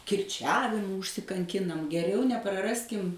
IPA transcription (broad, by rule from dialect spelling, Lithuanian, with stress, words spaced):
kʲɪrʲˈt͡ʃʲæːʋʲɪmʊ ʊʃʲsʲɪkɐŋʲˈkʲɪnɐm ɡʲɛˈrʲɛʊ nʲɛprɐˈrɑːsʲkʲɪm